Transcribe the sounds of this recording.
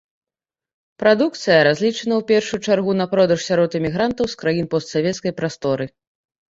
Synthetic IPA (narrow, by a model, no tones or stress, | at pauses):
pɾad̪uk̚t̪sɨjɐɾazʲlʲit͡ʂɐnɐwpʲɛrʂujut͡ʂarɣunɐpɾɔd̪ɐʂsʲaɾɔt̪ɨmʲiɣɾant̪ɐwskɾajinpɔst̪savʲɛt̪skɐjpɾast̪ɔɾɨ